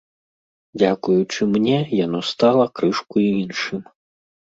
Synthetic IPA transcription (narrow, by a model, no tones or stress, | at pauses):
d͡zʲakujut͡ʂɨmnʲɛjan̪ɔst̪alˠɐkɾɨʂkuiinʂɨm